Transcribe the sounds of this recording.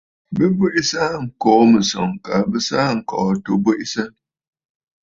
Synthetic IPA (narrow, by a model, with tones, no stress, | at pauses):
bɨ˦bu˦ʔi˦sa˦ŋ̩˨kɔː˨˦mə˨sɔ̰˨ŋka˨bɨ˦saː˦˨ŋ̩˨kɔ̰ː˨to˦bu˦ʔi˦sə˦